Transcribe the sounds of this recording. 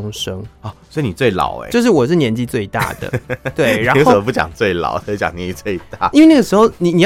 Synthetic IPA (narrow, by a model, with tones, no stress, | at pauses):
ŋʂɤ˥ŋɔ˥˩sswɔ˧˥i˨˧ni˨˩t͡swe˥˩ɪlɑ̰˨˩ʊḛ˧˦jo˧ʊʂ̬ɻ̩˥˩wɔ˨˩ʂ̬ɻ̩˥˩njɛ˧˥nt͡ɕi˥˧t͡swe˥˧ɪt̪a̰˥˩d̪ə̰˩t̪we˥˩ɪɻa˧˦n˧˥o˥˧sp̬u˥˩t͡ɕjɑ̰˨˩ŋt͡swe˥˩ɪlɑ̰˨˩ʊ˥˩t͡ɕɑ˨˩ŋnjɛ˧˦i˧t͡swe˥˧ɪt̪a˥˩i˥nwe˥˧ɪn˥ɡə˩ʂɻ̩˧˥xo˥˧ʊni˨˩ni˨˩